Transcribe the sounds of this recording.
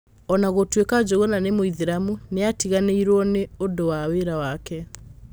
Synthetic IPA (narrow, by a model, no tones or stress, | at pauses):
ɔnaɣotwekad͡ʑoɣɔnanemoiðiɾamuneatiɣaneiɾwɔneodowaweɾawakɛ